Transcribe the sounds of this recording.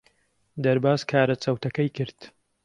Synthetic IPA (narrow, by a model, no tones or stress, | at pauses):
d̪ɐɾbaːzkʰaːɾɐt͡sɐwt̪ɐkɐjkɨɾd̪̥